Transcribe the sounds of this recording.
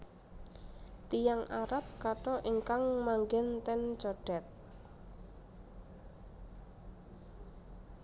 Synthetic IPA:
t̪ijaŋʔaɾap̚kaʈɔʔiŋkaŋmaŋɡɛnt̪ɛnt͡ʃɔɖ̥ɛ̤t̪̚

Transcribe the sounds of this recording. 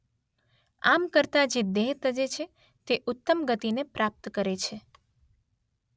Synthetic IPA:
amkəɾt̪ad͡ʒed̪eɦt̪əd͡ʒet͡ʃʰe | t̪eʔʊt̪ːəmɡət̪inepɾap̚t̪kəɾet͡ʃʰe

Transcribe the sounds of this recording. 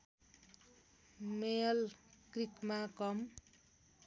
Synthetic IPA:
meʌlkrikmakʌm

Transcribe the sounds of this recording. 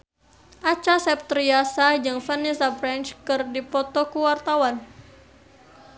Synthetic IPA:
ʔat͡ʃasɛp̚t̪ɾiasad͡ʒɨŋfɛnisafɾɛnt͡ʃkɨrdipɔt̪ɔkuwart̪awan

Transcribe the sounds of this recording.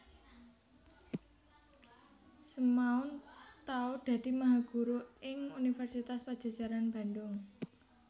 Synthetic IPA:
səmaʊnt̪aod̥ä̤d̪̥i̤maɦaɡ̥ṳɾoɪŋunifɛrsit̪aspad̥d͡ʒ̥a̤d̥d͡ʒ̥a̤ɾanb̥a̤ndʊŋ

